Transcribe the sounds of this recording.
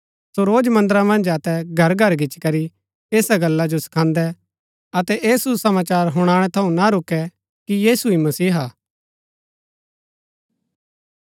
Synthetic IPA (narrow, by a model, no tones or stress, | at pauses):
soɾoːd͡ʒmɐ̃nd̪əɾamɐ̃nd͡ʒɐt̪ɛɡʱɐɾɡʱɐɾɡɪt͡ʃkɐɾi | eːsaɡɐlːad͡ʒosɐ̥kʰãːnd̪ɛ | ɐt̪ɛʔeːsusɐmaːt͡ʃaːɾɦʊɽ̃aːɽ̃ɛt̪ʰɐũnaɾʊkːɛ | kijiːsuimɐsiːɦaː